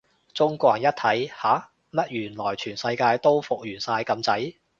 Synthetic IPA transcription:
t͡sʊ˥ŋkʷɔː˧˩˨ɐ˨˩njɐ˥t̚t̪ʰɐ˨˥jhaː˨˥ | mɐ˥t̚jyː˨˩nlɔː˨˩jt͡ʃʰyː˨˩nsɐ˧jkaː˧jt̪o˥wfʊ˨k̚jyː˨˩nsaː˧jkɐ˧mt͡sɐ˨˥j

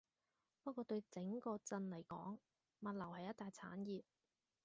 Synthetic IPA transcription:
p̚kɔː˧t̪ɵ˧ɥt͡sɪ˨˥ŋkɔː˧t͡sɐ˧nlɐ˨˩jkɔː˨˥ŋ | mɐ˨t̚lɐ˨˩whɐ˨jːɐ˥t̪̚aː˨jt͡sʰa̰ː˨˥njiː˨p̚

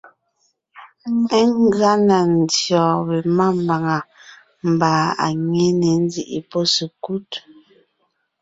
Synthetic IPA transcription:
ɛ˦ŋ˦ɣa˦na˨n̩˨djɔː˨bɛ˨ma˦˨m˨ba˨ŋa˨ | m̩˨baː˨a̰˨ɲɛ˦nɛ˨n̩˦d͡zi˦˨ʔḭ˨pɔ˦si˨ku˦t

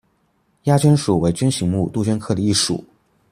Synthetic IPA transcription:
ja˥t͡ɕɥɛ˥nʂu˨˩we˧˥ɪt͡ɕɥɛ˥nɕi˧˥ŋmu˥˧t̪u˥˩t͡ɕɥɛ˥nkʰɤ˥˩d̪ə˧i˥˩ʂṵ˨˩˦

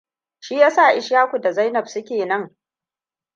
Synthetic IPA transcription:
ʃiː˦jaː˦sa˦˨ʔɪ˦ʃjaː˦kʷu˨da˨za˦jnɐ˨bsʊ˦kʲeː˨nɐ˦ŋ

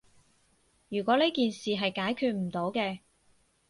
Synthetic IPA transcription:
jyː˨˩kʷɔː˨˥ne˥jkiː˨nsiː˨ɦɐ˨jkaː˨˥jkʰyː˧t̚m̩˨˩t̪o˨˥wkɛː˧

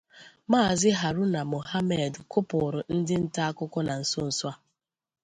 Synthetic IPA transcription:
maː˦˨zɪ˦ɦa˨ɾʊ˦na˨mo˨ha˦me˨dkʊ˦pʊ˨ɾʊ˨n̩˦dɪ˦n̩˦ta˦a˦kʊ˦kɔ˦na˨n̩˨sʊ˦n̩˨swa˦

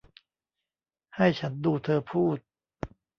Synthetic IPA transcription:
ha˥˩jt͡ɕʰa˦˥nduː˧t̪ʰɤː˧pʰuː˥˩t̪̚

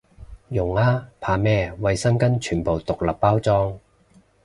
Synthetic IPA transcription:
jʊ˨˩ŋaː˥pʰaː˧mɛː˥wɐ˨˧jsɐ˥mkɐ˥nt͡ʃʰyː˨˩npo˨wt̪ʊ˨k̚lɐ˨˩ppːaː˥wt͡sɔː˥ŋ

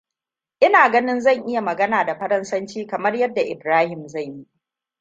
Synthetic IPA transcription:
ʔɪ˦naː˨ɡɐ˦nɪ˦nzɐ˦˨ŋʔɪ˦ja˨mɐ˨ɡɐ˦naː˨da˨ɸɐ˦ɾɐ˦nsɐ˦nt͡ʃiː˦kɐ˨mɐ˦rjɐ˦dːa˨ʔɪ˨bɾaː˦hɪ˨mza˦˨jji˦

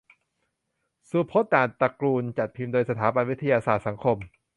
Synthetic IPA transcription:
su˧˩pʰo˦˥t̪̚daː˨˩npa˧kɾuː˧nt͡ɕa˨˩t̪̚pʰi˧md̪oː˧jsa˧t̪ʰaː˩˦ba˧nwi˦˥t̪ʰa˧jaː˧saː˨˩t̪̚sa˩˦ŋkʰo˧m

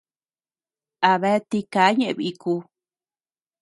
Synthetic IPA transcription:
a˨βe˦t̪i˧kaː˨˦ɲẽ˧ʔβi˧i˧ku˧

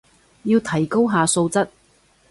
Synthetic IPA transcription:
jiː˧wt̪ʰɐ˨˩jko˥wɦaː˧so˧wt͡sɐ˥t̚

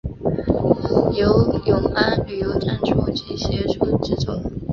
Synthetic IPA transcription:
jo˧˦ʊjʊ˧˥ŋa˥ny˨˩jo˧˥ʊʈ͡ʂʰa˨˥nʈ͡ʂʰu˥˩t͡ɕʰi˧˥ɕjɛ˥˧ʂu˥˧ʈ͡ʂɻ̩˥t͡sʊ˨˩˦ŋ

